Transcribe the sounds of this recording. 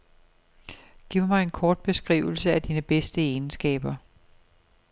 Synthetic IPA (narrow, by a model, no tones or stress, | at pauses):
ɡ̥ḭːʊmɑ̈ɪe̝nkʰɒːd̥̚b̥e̝sɡ̥ʁḭːʊl̩səæd̥iːnəb̥esd̥əeːnsɡ̥ɛ̰ːb̥ɐ